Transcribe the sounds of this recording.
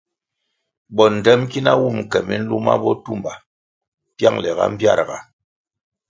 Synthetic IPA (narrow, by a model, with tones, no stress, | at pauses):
ɓɔ˨n̩˨dɛ˦mki˦na˦wu˦˨m˨kɛ˨mi˦n̩˦lu˦ma̰˦bɔ˦tu˦mba˨ | pja˦ŋlɛ˨ɣa̰˦m̩˦bja˦˨ɾɡa˨